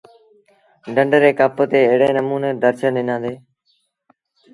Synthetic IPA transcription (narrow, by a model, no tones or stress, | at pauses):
ɖəɳɖɾeːkəpət̪eːɪɦɽeːnəmuːneːd̪əɾt͡ʃənɪnãːd̪eː